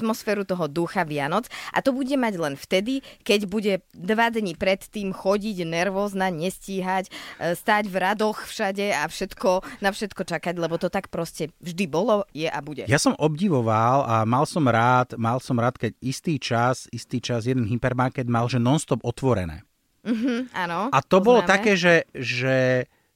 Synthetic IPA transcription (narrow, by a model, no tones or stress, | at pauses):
t̪mɔsfɛːɾut̪ɔɦɔd̪uxaʋɪanɔt͡sʔa̰t̪ɔbuɟɛmaɟlɛnft̪ɛd̪ikɛɟbuɟɛd̪ʋad̪ɲipɾɛt̪ːiːmxɔɟiɟnɛɾʋɔːznaɲɛsciːɦacst̪aːɟvɾad̪ɔxfʃaɟɛafʃɛt̪kɔnafʃɛt̪kɔt͡ʃakaɟlɛbɔt̪ɔt̪akpɾɔscɛvʒd̪ibɔlɔjɛʔabuɟɛjasɔmɔbɟiʋɔʋalamalsɔmɾaːt̪malsɔmɾaːt̪kɛɟist̪iːt͡ʃasist̪iːt͡ʃazjɛd̪ɛnɦipɛɾmaɾkɛd̪malʒɛnɔnst̪ɔbɔt̪ʋɔɾɛ̰nɛ̰ː | m̩ɦ̩anɔat̪ɔbɔlɔt̪akɛːʒɛʒɛ